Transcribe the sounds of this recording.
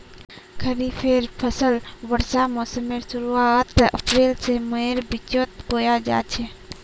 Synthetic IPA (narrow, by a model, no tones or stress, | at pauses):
kʰəɾipʰeːɾpʰəsəlʋəɾsamoːsəmeɾsʊɾuat̪ə̰pɾeːlseməeɾbɪt͡ʃoːt̪koːjad͡ʒa̰ːt͡ʃʰe